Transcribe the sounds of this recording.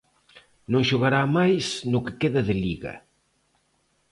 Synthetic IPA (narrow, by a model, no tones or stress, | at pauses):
nõŋʃʊɣaɾamajsnʊkɪ̥keðɐðɪʎiɣɐ̰